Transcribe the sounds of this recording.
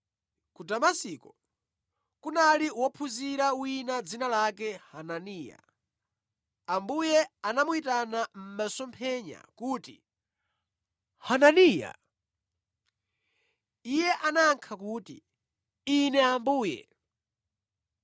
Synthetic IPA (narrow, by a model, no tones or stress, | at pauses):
kudamasikɔ | kunaliwɔpʰuziɾawinad͡zinalakɛhananiːja̰ | ambujɛanamuitanam̩masɔmpʰɛɲa̰kuːti | hananiːja̰ | ijɛʔanaːŋkʰakuːtḭ | inɛambuːjɛ̰